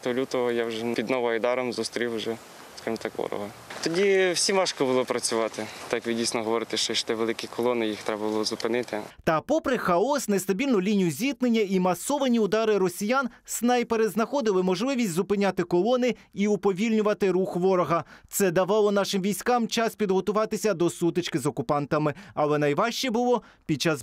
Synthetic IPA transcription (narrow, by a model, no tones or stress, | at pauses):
t̪ɔlʲut̪ɔɦɔjawʒɛpʲid̪nɔʋɔijd̪ɑɾɔmzʊst̪ɾʲiwʒɛ | skɑʒmt̪ɑkʋɔ̰ɾɔ̰ɦɐ | t̪ɔdʲiwsʲimɑʃkɔbʊlˠɔpɾɐt͡sʲʊʋɑt̪ɪt̪ajɐkʋɪdʲijsʲnɔɦɔʋɔɾɪt̪ɪʃt͡ʃɔiʃt̪ɛʋelˠɪkʲikɔlˠɔnɪjixt̪ɾɛbɐbʊlˠɔzʊpɪnɪt̪ɪt̪ɐpɔpɾɪxɐɔsnest̪ɐbʲilʲnʊlʲinʲijʊzʲit̪̚nenʲːɐimɐsɔʋɐnʲiʊd̪ɑɾɪɾɔsʲijansnɑjpeɾeznɐxɔd̪ɪlˠɪmɔʒlˠɪʋʲisʲtʲzʊpɪnʲat̪ɪkɔlˠɔnɪ | iʊpɔʋʲilʲnʲʊʋɐt̪ɪɾuxʋɔɾɔɦɐt̪sɛd̪ɐʋɑlˠɔnɑʃɪmʋʲijsʲkɑmt͡ʃɑspʲid̪ɦɔt̪ʊʋɑt̪ɪsʲɐd̪ɔsut̪ɪt͡ʃkɪzɔkʊpɑnt̪ɐmɪɐlˠɛnɐjʋɑʃt͡ʃɛbʊlˠɔ | pʲid̚t͡ʃɑz